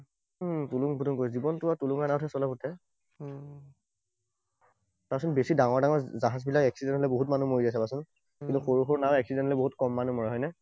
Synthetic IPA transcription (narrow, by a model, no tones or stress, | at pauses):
tuluŋbʱutunkojzibɔntʊatuluŋanaʊtʰɛsɔlaputʰɛ | tasɔnbesidaŋɔɹdaŋɔɹzaɦazbilakɛksidɛ̃ntʰɔlɛboɦutmanumoɹiasɛbasun | kĩntuxoɹuxɔɹnaʊɛksidɛntʰɔlɛboɦutkɔmːanumɔɹɛɦɔjnɛ